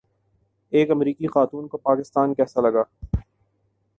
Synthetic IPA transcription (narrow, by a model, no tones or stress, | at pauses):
eːkɐmɾiːkixaːt̪uːnkopaːkɪst̪aːnkɛːsalɐɡaː